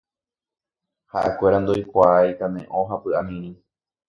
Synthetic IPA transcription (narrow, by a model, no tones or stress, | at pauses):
ha̰ʔḛkʷe̞ɾand̪ojkʷaajt̪amḛ̃ʔõɦapɨamĩɾĩ